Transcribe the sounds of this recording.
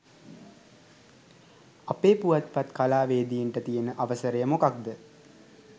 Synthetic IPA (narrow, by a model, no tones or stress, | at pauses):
apeːpuʋat̪pat̪kalaːʋeːd̪ijeɳʈət̪ijənəʔaʋəsəɾəjəmokak̚d̪ə